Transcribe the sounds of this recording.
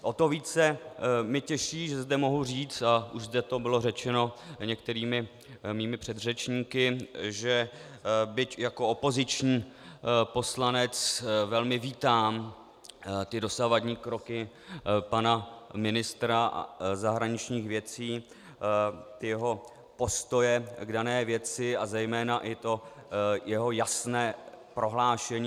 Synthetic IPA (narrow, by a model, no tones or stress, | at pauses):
ʔo̞t̪o̞viːt͡sɛmɪcɛʃiːʒɛzdɛmo̞ɦuriːt͡st̪aʔuʒzd̪ɛt̪o̞bɪlo̞rɛt͡ʃɛno̞ɲɛkt̪ɛɾiːmɪ | miːmɪpr̝̥ɛd̪rɛt͡ʃɲiːkɪʒɛ | bɪcjako̞opo̞zɪt͡ʃɲiː | po̞slanɛt͡svɛlmɪviːt̪aːm | t̪ɪdo̞savadɲiːkɾo̞kɪ | panamɪnɪst̪ɾa̰zaɦɾaɲɪt͡ʃɲiːxvjɛt͡siː | t̪ɪjɛɦo̞ | po̞st̪o̞jɛɡdanɛːvjɛt͡sɪazɛjmɛːnaʔɪt̪o̞jɛɦo̞jasnɛː | pɾo̞ɦlaːʃɛɲiː